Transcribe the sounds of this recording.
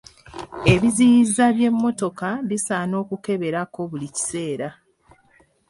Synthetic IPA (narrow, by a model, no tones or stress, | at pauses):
e̞βizijizaβje̞mːo̞to̞kaβisaːno̞ːkuke̞βe̞ɾako̞βulici̥se̞ːɾa